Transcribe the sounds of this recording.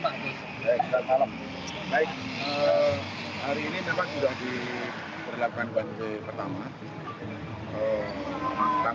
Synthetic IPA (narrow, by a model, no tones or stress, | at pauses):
a | bajdasalah | baɪk̚ə | haɾiːninampaʔsudahdi | bərlakukanband͡ʒepərt̪ama | ə | ata